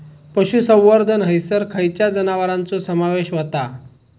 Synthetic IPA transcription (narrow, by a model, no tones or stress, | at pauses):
pəɕusə̃w̃ːəɾd̪ʱənɦəjsəɾkʰajt͡ɕjad͡zənaʋəɾãnt͡sosəmaʋeɕʋət̪a